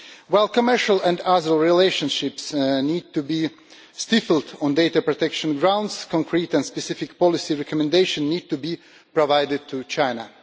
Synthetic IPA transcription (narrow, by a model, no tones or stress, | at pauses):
waɪlˠkɔmɛ˞ʃalæ̃ndazəlˠɹileɪʃə̃nʃɪpsniːd̚t̪ubi | st̪ɪfl̩ˠdɔ̃ndeɪtapɹɔt̪ɛkʃə̃nɡɹãʊ̃ndskʰɔ̃ŋkʰɹiːtɛ̃ndspɛsɪfɪkpɔlɪsiɹɛkʰɔmɛ̃ndeɪʃə̃nːiːd̚tubi | pɹɔvaɪdɪd̚t̪ʰut͡ʃãɪna